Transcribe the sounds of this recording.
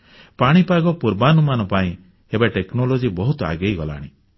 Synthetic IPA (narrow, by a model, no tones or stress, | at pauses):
paɽ̃ipaɡɔpuɾbanumanɔpaĩ | ebaʈeknolod͡ʒibɔɦut̪ɔa̰ɡejɡɔla̰ːɽ̃ĩ